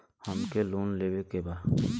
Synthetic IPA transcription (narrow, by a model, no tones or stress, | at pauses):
həmkeloːnleːbekebaː